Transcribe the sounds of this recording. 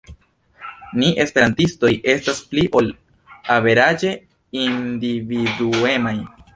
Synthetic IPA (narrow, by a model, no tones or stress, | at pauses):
niʔe̞spe̞ɾantisto̞jʔe̞staspliʔo̞l | ave̞ɾad͡ʒe̞ | individue̞maj